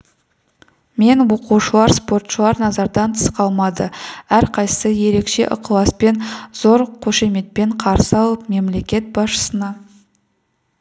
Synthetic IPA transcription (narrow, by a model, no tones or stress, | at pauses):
me̞nwoquwʃəlˠɑɾspo̞rt̪ʃəlˠɑɾnɑzɑɾd̪ɑnt̪ʰə̥sqɑlˠmɑd̪əæɾqʰɑjsəje̞ɾe̞kʃe̞̰ʔʊqʰlˠɑspe̞nz̥o̞ɾqʰoʃe̞me̞t̪̚pe̞ɴqʰɑɾsəɑlˠəp̚me̞mle̞kʲe̞t̪̚bɑsʃə̥sənɑ